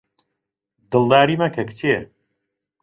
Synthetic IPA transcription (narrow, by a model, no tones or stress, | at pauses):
d̪ɨlˠd̪aːɾiːmɐkʰɐkt̪ʰe